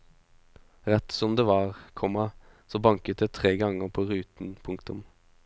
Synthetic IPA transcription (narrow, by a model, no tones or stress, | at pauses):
ʁɛt̪sɔmd̪eːʋɑːʁkʰɔmɑ | soːbɑŋkət̪̚d̪eːt̪ʰʁeːɡɑŋəpʰoːʁʉːt̪n̩pʰʊŋk̚t̪ʊm